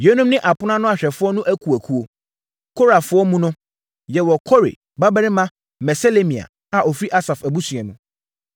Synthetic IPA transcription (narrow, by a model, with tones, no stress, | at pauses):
jo˦nũ˦mnɪ̃˦ʔa˨pʊ˦nã˦nʊ̃˦a˨ɕᶣɛ˨fʊ˦ɔ˦nʊ̃˦ʔæ˦kʰu˨æ˨kʰu˦o˨ | kʰo˦ɾa˨fʊ˦ɔ˦mũ˦nʊ̃˦ | jɛ˨wɔ˨kʰɔ˦ɾḛ˨ | ba˦bɛ˦ɾɪ˦mã˦ | mɛ˨sɛ˦le˦mĩ˨a̰˨ | a˨ʔɔ˨fɾi˦ʔa˦sa˨fæ˨bu˦sɥɛ̃˨nũ˨